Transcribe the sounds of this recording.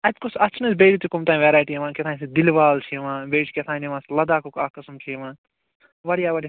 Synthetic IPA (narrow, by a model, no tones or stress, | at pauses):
ɐt̪kosɐt͡ʃʰnɐsbeːʈit̪ikumt̪aːĩʋeːɾaːjʈiɐʋãːkʲet̪ʰaːnsid̪ilʋaːlt͡ʃʰiʋãːbeːʈiket̪ʰãːniʋãːslɐd̪aːkokaːkɐsmt͡ʃʰiʋãː | ʋɐɽijaʋɐɽ